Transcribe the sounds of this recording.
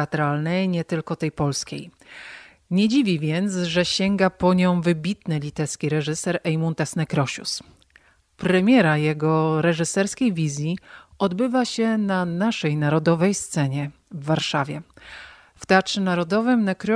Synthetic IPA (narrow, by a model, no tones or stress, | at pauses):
at̪ɾalnɛjɲɛt̪ɘlkɔt̪ɛjpɔlskʲḛj | ɲɛd͡ʑivʲivʲjɛnt̪sʐɛɕɛŋɡapɔɲɔ̃w̃vɘbʲit̪nɘlʲit̪ɛɾskʲiɾɛʐɘsɛɾɛjmunt̪ɛsnɛkɾɔɕṵs | pɾɛmʲjɛɾajɛɡɔɾɛʐɘsɛɾskʲejvʲizʲjiʔɔd̪bɘvaɕɛnanaʂɛjnaɾɔd̪ɔvɛjst̪sɛɲɛ | vːaɾʂavʲjɛ | ft̪at͡ʂɘnaɾɔd̪ɔvɘmnɛkɾ